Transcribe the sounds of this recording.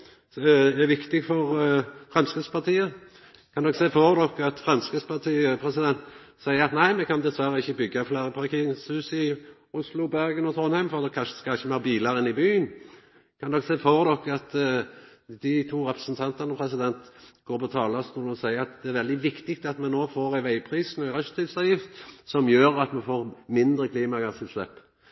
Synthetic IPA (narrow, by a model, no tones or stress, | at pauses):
æɾʋɪkt̪ɪɡfɔʁfɾɛmskəspɑʁt̪ʰiːə | kʰɑnd̪ɔkseːfɔʁd̪ɔkːɑt̪fʁɛmskəspɑʁt̪ʰiːəpʰɾɛsɪd̪ɛnt̪sæɪəɾɑt̪næɪmɛkʰɑnd̪ɛsʋæɾəɪçːəbʏɡːɑflæɾəpʰɑʁkɪŋsʉːsɪ | ʊslʊbæɾɡənɔt̪ʰʁɔnhæɪmfɔʁd̪ɔkʰːɑnʂʃəskɑlɪçːəmæbiːlɑɾɪnɪbyːən | kʰɑnd̪ɔksɛːfɔʁd̪ɔkːɑt̪ | d̪ɪt̪ʰuːɾɛpɾə̥sn̩t̪ʰɑnt̪əʁnəpʰɾɛs̬ɪd̪ɛnt̪ɡ̥oːɾpʰɔt̪ʰɑːlɑst̪uːlɔsæɪəɾɑt̪d̪ɛæɾʋɛld̪ɪʋɪkt̪ɪk̚t̪ɑt̪mɛnoːfoːɾæɪʋæɪpʰɾiːsnɔæɾœst̪ɪlsɑʋjɪft̪sɔmjøːɾɑt̪mɛfoːʁmɪnd̪ɾəkʰliːmɑɡɑsɪlslɛpː